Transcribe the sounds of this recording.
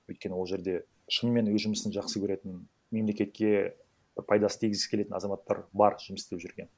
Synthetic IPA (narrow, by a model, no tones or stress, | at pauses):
wɵjt̪̚kʲe̞nɪwolˠʒe̞ɾd̪e̞ | ʃənme̞nwɵzʒʊməsənʒɑqsəkʲʰɵɾe̞t̪ɪn | me̞mle̞kʲe̞t̪̚kʲe̞ | b̥ɪɾpʰɑjd̪ɑsət̪ijɡʲɪzɪskʰʲele̞t̪ɪnɑzɑmɑt̪ːɑ̰ɾbɑɾʒ̥ʊməst̪ɪpʒʏɾɡʲe̞n